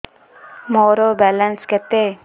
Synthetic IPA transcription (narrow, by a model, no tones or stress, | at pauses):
moɾobɛlənskɛt̪e